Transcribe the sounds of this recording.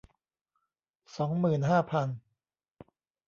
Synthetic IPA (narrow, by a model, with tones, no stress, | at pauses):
sɔː˩˦ŋmɯː˨˩nɦaː˥˩pʰa˧n